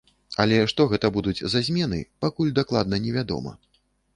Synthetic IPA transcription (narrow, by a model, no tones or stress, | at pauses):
ɐlʲɛʂt̪ɔɣɛt̪ɐbud̪ud͡zʲzazʲmʲɛnɨ̰pakulʲd̪aklˠad̪nɐnʲɛvʲad̪ɔ̰mɐ̰